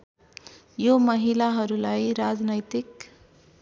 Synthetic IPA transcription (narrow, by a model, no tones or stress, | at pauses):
jomʌɦilaɦʌɾulajɾad͡znʌjt̪ik